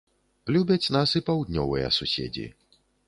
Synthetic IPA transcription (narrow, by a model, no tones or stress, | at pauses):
plʲubʲɐt͡sʲnasipawd̪ʲnʲɔvɨ̰jɐ̰susʲḛd͡zʲḭ